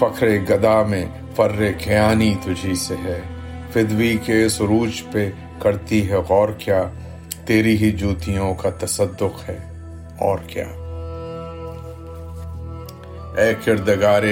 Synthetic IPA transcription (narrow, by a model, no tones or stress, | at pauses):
pɐkʰɾeɡɐd̪amẽ | fɐɾːekʰɐjaːnit̪ʊd͡ʒʱiseɦɛː | fɪd̪wikeɪsɾuːt͡ʃpe | kɐɾt̪iɦɛɔːɾkjaː | t̪eːɾiɦid͡ʒuːt̪ijõkat̪ɐsəd̪ːʊqɦɛː | ɔːɾkja̰ː | ɛːkɪɾd̪əɡaːɾe